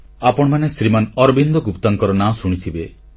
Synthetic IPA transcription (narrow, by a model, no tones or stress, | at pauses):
apɔɽ̃manesɾimanɔɾɔbind̪ɔɡupt̪aŋkɔɾɔnasuɽ̃it̪ʰibe